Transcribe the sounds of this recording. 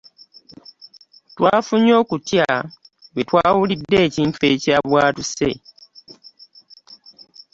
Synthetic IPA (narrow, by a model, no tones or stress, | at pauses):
twaːfuɲo̞ːkutjawe̞twaːwulidːe̞ːciɱtueːcaβwaːtuse̞